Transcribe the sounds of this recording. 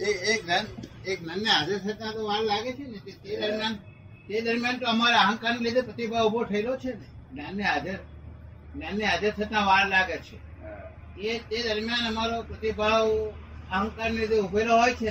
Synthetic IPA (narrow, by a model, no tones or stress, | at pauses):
eek̚nənek̚nənjəɦad͡ʒəɾt̪ʰət̪nãt̪oʋaɽlaɡet͡ʃʰenet̪et̪ed̪əɾmjan | t̪ed̪əɾmjant̪oəmaɾeaɦə̃ŋkaɾnelid̪ʱepɾət̪ibʱaubʱot̪ʰəilot͡ʃʰenenənːjəɦad͡ʒəɾ | nənːjəɦad͡ʒəɾt̪ʰət̪ãʋaɾlaɡet͡ʃʰḛ | et̪ed̪əɾmjanəmaɾopɾət̪ibʱaʋ | aɦə̃ŋkaɾnelid̪ʱeubʱeloɦojt͡ʃʰe